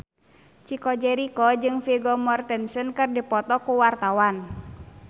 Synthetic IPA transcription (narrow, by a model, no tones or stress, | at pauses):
t͡ʃikɔd͡ʒɛɾikɔd͡ʒɨŋfiɡɔmɔrt̪ɛnsənkɨrdipɔt̪ɔkuwart̪awan